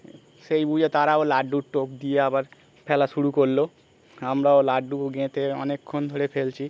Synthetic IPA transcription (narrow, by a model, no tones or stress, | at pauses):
ʃejbud͡ʑet̪aɾaolaɖuʈop̚d̪ijeabaɾ | pʰɛlaʃuɽukoɾlo | amɾaolaɖuɡẽt̪eɔ̰nekʰːond̪ʱoɾefelt͡ɕʰi